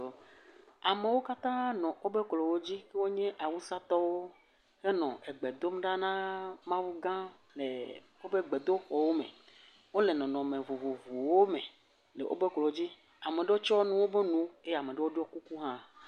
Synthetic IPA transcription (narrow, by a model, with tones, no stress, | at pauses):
a˨me˨wo˦ka˦t̪ã˦nɔ̃˨wo˦be˦klɔ˨wo˦d͡ʑi˦ke˦wo˦ɲɛ̃˦ʔa˨wu˦sa˦t̪ɔ˦wo˦ | he˦nɔ̃˨ʔe˨ɡ͡be˨d̪o˦m˦ɖa˦nã˦mã˦wu˦ɡã˦ | lḛ˨ | wo˦be˦ɡ͡be˨d̪o˦ɸɔ˨wo˦mḛ̃˨ | wo˦le˨nɔ̃˨nɔ̃˨mẽ˨vu˨vu˨vu˨wo˦me˨ | le˨ʔo̰˦be˦klɔ˨˦d͡ʑi˦ | a˨me˨ɖe˦wo˦t͡ʃɔ˦nũ˦wo˦be˦nũ˨˦e˦˨a˨me˨ɖe˦wo˦ɖɔ˦ku˦ku˦ɦã˦